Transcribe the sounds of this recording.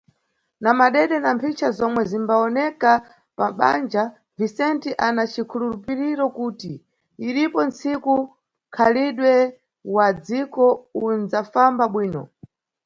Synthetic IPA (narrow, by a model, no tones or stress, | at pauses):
namaɗɛɗɛnampʰit͡ʃʰazɔmwɛzimbaɔnɛka | paɓa̰nd͡ʒa | visɛntiʔanat͡ʃʰikʰululupiɾiɾɔkuːtiː | ɾipɔnt͡siku | kʰaliɗwɛ | wad͡zikɔund͡zafambaɓwiːnɔ̰